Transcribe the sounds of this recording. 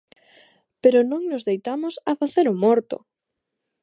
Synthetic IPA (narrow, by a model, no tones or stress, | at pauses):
peɾʊnõŋnʊzðejt̪amʊsɐfaθeɾʊmɔɾt̪ʊ̰